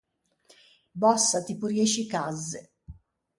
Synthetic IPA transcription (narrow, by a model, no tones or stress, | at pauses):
bɔsːat̪ipurjeʃikazːɪ